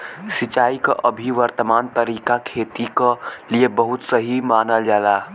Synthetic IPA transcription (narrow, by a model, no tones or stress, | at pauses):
sit͡ʃaːikəʔəbʱiʋəɾt̪əmaːnt̪əɾikakʰet̪ikəliebəɦut̪səɦimaːnəld͡ʒaːla